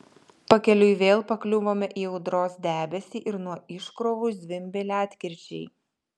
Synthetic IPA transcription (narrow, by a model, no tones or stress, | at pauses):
pɐkʲɛlʲʊɪʋʲeːlˠpɐklʲʊʋoːmʲɛʔiːɛʊd̪ɾoːsd̪ʲæːbʲɛsʲiːʔɪɾnuɔɪʃkɾoːʋʊsd̪ʲʋʲɪmʲbʲelʲɑːt̪ʲkʲɪɾʲt͡ʃʲɛɪ